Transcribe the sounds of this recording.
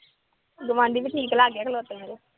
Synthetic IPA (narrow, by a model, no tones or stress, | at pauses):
ɡʊʋãːnd̪iːbiʈʰiːklaːɡeːkloːt̪emeːɾe